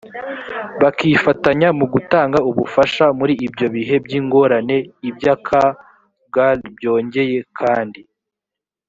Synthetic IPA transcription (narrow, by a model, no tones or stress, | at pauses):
βakiːfataɲamuɡutaːŋɡauβufaʃamuɾiʔːbɟo̞βiɦe̞bɟiːŋɡo̞ːɾane̞ibjakʰa | b̚ɡaibjo̞ːɲɟe̞je̞kʰaːndi